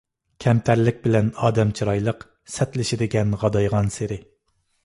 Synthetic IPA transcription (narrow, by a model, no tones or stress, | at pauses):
kʲʰɛmt̪ʰæɾlɪk̚ʲbɪlɛnɑːd̪ɛmt͡ʃʰiɾɑjlˠəq | sɛt̪lɪʃɪd̪ɪɡʲɛnʁɑd̪ɑjʁɑnseɾɪ